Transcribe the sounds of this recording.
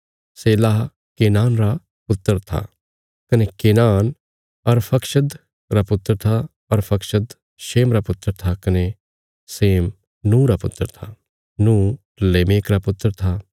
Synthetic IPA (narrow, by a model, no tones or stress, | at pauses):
seːlaːɦ | keːnaːnɾa | pʊt̪ːəɾt̪ʰa̰ | kɐnekeːnaːn | ɐɾpʰɐkʃəd̪ | ɾapʊt̪ːəɾt̪ʰa | ɐɾpʰɐkʃəd̪ | ʃeːmɾapʊt̪ːəɾt̪ʰakɐne | seːm | nũːɾapʊ̰t̪ːəɾt̪ʰa | nũː | leːmeːkɾapʊt̪ːəɾt̪ʰa